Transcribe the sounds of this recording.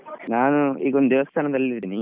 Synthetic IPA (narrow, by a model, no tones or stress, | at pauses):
naːnuḭːkːond̪d̪eʋɐst̪ʰaːnɐnt̪ɐlːt̪ːinːi